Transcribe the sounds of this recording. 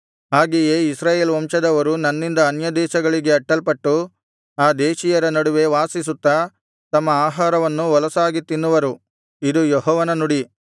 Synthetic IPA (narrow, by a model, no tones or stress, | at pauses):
ɦaːɡejeːisɾaːjeːlʋɐmʂɐd̪ɐʋɐɾunɐnːind̪ɐːnjɐd̪ɛːʃɐɡɐɭiɡe̞ɐʈːɐlpɐʈːu | aːd̪eːʃijɐɾɐnɐɽuʋe̞ʋaːsisut̪ːɐ | t̪ɐmːɐaːɦaːɾɐʋɐnːuʋɐlɐsaːɡit̪ːinːuʋɐɾu | id̪ujɔɦɔːʋɐnɐnuɽi